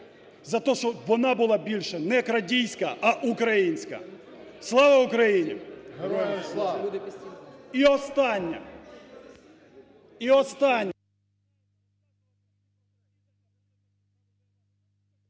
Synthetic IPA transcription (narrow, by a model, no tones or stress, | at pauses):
zɐt̪ɔʃɔʋɔnɑbʊlˠɑbʲilʲʃɛnɛkɾɐdʲijsʲkɐʔɐʔukɾɐjinʲsʲkɐ̰ | slˠɑʋɐʊkɾɐjinʲḭ | iɔst̪ɑnʲːɐ̰ | iɔst̪ɑnʲː